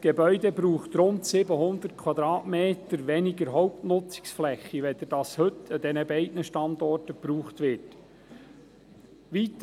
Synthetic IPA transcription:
ɡ̥ebœʏdɛbɾuːχt̪ɾʊnt̪sɪbəhʊnd̪ərt̚kʰwɑd̪ɾɑːtmeːt̪əɾʋɛniɡəɾɦɔʊptnʊt͡sɪ̥ksflɛχːiʋɛd̪əd̥ɑshɵtːəd̥ɛnəbɛɪdnəʃtɑnd̪ɔrtəpɾuːχt̪ʋɪt | ʋit̪

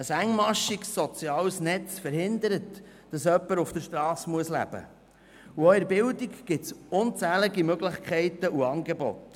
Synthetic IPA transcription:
əsæŋmɑʃiksːɔt͡siɑːlsnɛt͡sfəɾhɪnd̪əɾət | d̥ɑsœpːəɾufd̥əʃtɾɑːsmuəslæ̰b̥ə̰ | uœʏəɾbɪldikɡ̥ɪtsʊnt͡sæːləɡimøɡləχkʰχɛɪtəʔuɑːnɡebo̰t

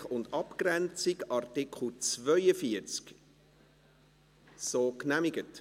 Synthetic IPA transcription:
χʊndɑpkrɛnt͡sikɑrtɪkχl̩t͡svœʏəfiəɾt͡sk | soːknæmɪɡət

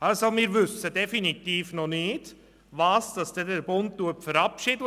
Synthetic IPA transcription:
ɑlsomɪːɾʋʏsːədɛfinit̪iːfnɔnɪːd | ʋɑːsd̥ɑsd̥ɛdəɾb̥ʊnttuəpfəɾɑpʃɪd

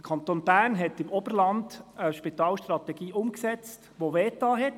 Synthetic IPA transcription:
əkʰɑnt̪oːnbæːnɦɛtɪmɔb̥əɾlɑnd̪əʃpit̪ɑːlʃtɾɑtɛɡiːʔʊmksɛt͡stʋoʋɛːt̪ːɑːɦɛt

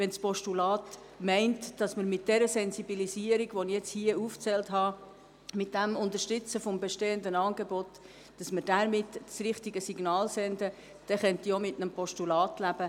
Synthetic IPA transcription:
ʋɛnspɔʃtulɑːt | mɛɪntd̥ɑsməɾmɪt̚d̥ɛɾəsɛnsibilisiəɾiɡʋonijɛt͡shiəuːft͡sɛltɦhɑ | mɪt̚d̥æmʊntərʃtʏt͡səfɔmbeʃteːəndənɑːnɡebɔt | d̥ɑsməɾdæɾmɪtːsrɪχtiɡəsiɡnɑːlsɛndə | d̥ɛχœntiomɪtnəmpʰɔʃtulɑːtlæb̥ə

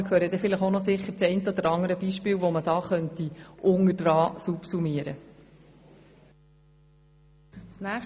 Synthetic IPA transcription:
kʰhøːɾəd̪ɛfɪləχonɔsɪχːəɾt͡sɛɪntəɔd̪əɾɑŋəɾəbiʃpɪːwʋɔməd̥ɑːχœntiʔʊŋədrɑːsupsumiəɾə | snæ

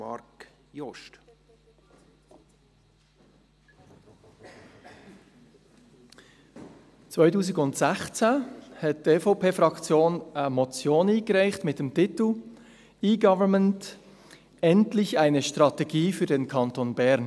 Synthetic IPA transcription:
ɑ̰ɾk | jɔʃt | t͡sv̥aɪtuːsɪɡʊntsɛxt͡sɛhɛt̚d̥eːfoʊpʰeːfʁɑkt͡sjoːnəmot͡sjoːniːɡ̥əʁaɪçtmɪt̚d̥emtɪtl̩ | iːɡɑvəmənt | ɛntlɪçaɪnəʃtʁ̥ɑteɡiːfyːɐdenkʰɑntoːnbɛɾn

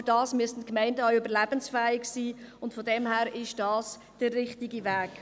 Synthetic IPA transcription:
d̥ɑːsmyəstn̩tkmɛɪndəɔʊʏbəɾlæbənsfɛːɪksiːʊntfɔdɛmhæːɾɪʃd̥ɑːs | d̥ərːɪχtiɡivæːk

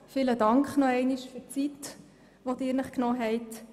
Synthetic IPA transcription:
fiːlədɑŋkχnɔɛɪniʃføt͡sit̪ | ʋodɪːɾnəχknɔːɦɛɪt

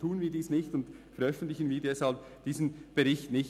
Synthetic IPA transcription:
tʰuːənviːdiːsnɪçtʊntfɛɐɾʔœfn̩tlɪçən̩viːdɛshalpd̥iːsn̩b̥eʁɪçtnɪç

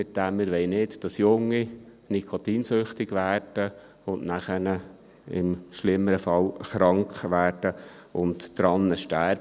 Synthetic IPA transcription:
sɪt̚d̥̪æmːɪɾʋɛɪnɪtd̥ɑsjʊŋːi | nikʰot̪iːnsʏχt̪ɪɡʋæːrd̥ə | ʊnʔnæχənə | ɪ̰mʃlɪmːəɾəfɑlχɾɑŋkχʋæːɾd̥ə | ʊntːɾɑnːəʃtæɾ

